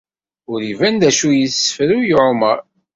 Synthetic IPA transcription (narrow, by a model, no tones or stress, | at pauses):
ʊɾivænd̪æʃujəsə̥fɾujoʕməɾˤ